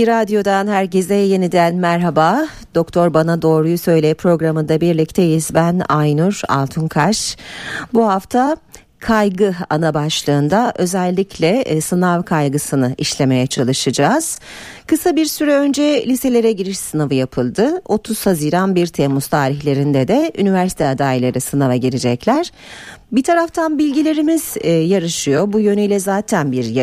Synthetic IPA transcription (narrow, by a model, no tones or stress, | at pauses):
biɾad̪jo̞d̪anhæɾɟezɛjjenid̪ænmæɾɦabaː | d̪̥o̞kt̪ʰo̞ɾbanad̪o̞ːɾujusø̞jlʲepʰɾo̞ɡɾamɯnd̪abiɾlʲict̪ʰejizbænajnuɾa̰lˠt̪ʰunkʰaʃbuɦaft̪ʰa | kʰajɡɯa̰nabaʃlˠɯːnd̪aʔø̞zɛlʲːicʰlʲɛsɯnavkʰajɡɯsɯnɯʔiʃlʲe̞me̞jɛt͡ʃʰalˠɯʃɯd͡ʒaːz̥kɯsabiɾsyɾɛø̞nd͡ʒɛlʲise̞lʲe̞ɾɛɟiɾiʃsɯnavɯjapʰɯlˠd̪ɯo̞t̪ʰuz̥haziːɾanbiɾt̪ʰɛmuz̥t̪ʰaːɾiçlʲe̞ɾind̪ɛd̪ɛynivæɾsi̥t̪ʰɛad̪aːilʲˠaɾɯsɯnavaɟiɾed͡ʒɛclʲæɾ̥bit̪ʰaɾaft̪ʰanbilʲɟilʲe̞ɾimiz̥jaɾɯʃɯjo̞bujø̞nyilʲɛzaːt̪ʰænbiɾj